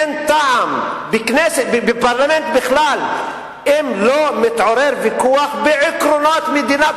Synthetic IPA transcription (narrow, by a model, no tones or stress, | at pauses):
nt̪aʕambɪknesebepaɾlament̪bɪχlal | ʔimlomɪt̪ʕoɾeɾvikuaχbeʕɪkɾonot̪med̪ina